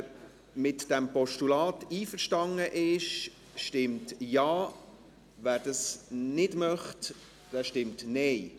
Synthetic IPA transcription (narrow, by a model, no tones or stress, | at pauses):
mɪtd̥ɛmpɔʃtulɑːtiːfəʃtɑŋəʔɪʃ | ʃtɪmtjɑː | væːɾdɑsnɪdmœχt | d̥ɛːʃtɪmtnɛɪ